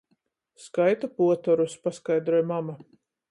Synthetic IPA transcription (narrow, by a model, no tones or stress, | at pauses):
skajt̪apuɔt̪ɔɾuspaskajd̪ɾuɔjmama